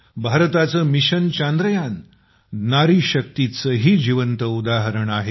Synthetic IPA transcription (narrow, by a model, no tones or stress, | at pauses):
bʱaɾt̪at͡səmiɕənt͡ɕand̪ɾəjanː | aɾiːɕək̚t̪it͡səɦiːd͡ʑiʋənt̪əud̪aɦəɾəɳaɦe